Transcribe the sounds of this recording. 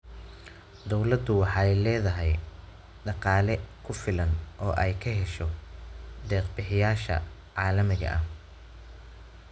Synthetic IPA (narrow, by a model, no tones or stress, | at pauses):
d̪ɔwlɐd̪ʊwɑħɑɛjlɛːðɐɦɛj | ɖɑqɑːlɛkʰʊfɪlɐnʔɔːʔɛjkʰɐɦɛʃɔ | ɖ̪ɛːqbɪħɪjaːʃɐ̰ | ʕɑːlɐmɪɣɐ̰ʔɐh